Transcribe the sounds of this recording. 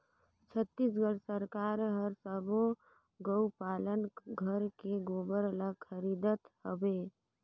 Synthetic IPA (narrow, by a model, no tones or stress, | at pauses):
t͡ʃʰət̪ːisɡəɽsəɾkaɾɦəɾsəbo | ɡəwpalənɡʱəɾkeɡobəɾələɡ̚kʰəɾid̪ət̪hobe